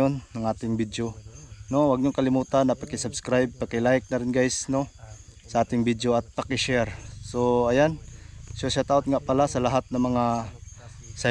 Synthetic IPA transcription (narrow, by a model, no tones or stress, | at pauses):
ʊnːɐŋʔaːt̪ɪŋbid̪jonowaɡ̚ɲʊŋkɐlɪmuːt̪anːapakɪsabskɾajb̚pakɪlajk̚nɐɾɪnɡajsno | sɐʔaːt̪ɪŋbid̪joat̪̚pakɪʃɛɾsoajanʃasat̪aot̪̚ŋaʔpalasɐlaɦat̪̚nɐŋmɐŋa | sa